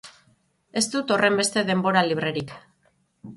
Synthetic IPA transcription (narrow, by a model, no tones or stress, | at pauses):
e̞st̪ut̪o̞re̞mbe̞st̪e̞ðe̞mbo̞ɾaliβ̞ɾe̞ɾik